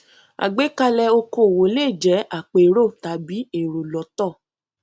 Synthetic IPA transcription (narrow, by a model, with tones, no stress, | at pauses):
a̰˨ɡ͡be˨˦ka˧lɛ˧o˧ko˧˨wo˨˦le˦˨d͡ʒɛ˨˦a˦˨k͡pe˨˦ɾo˦˨ta˨˦bi˨˦e˦˨ɾo˨lɔ˨˦tɔ˦˨